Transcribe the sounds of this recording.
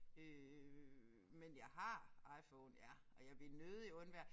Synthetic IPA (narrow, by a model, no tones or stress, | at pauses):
ø | menjɑ̈ɪɦɑ̈ɑ̈ɪfɔːnjæ | ɒ̽jɑ̈ɪb̥linøð̩ˠiɔ̽nʋæɐ̥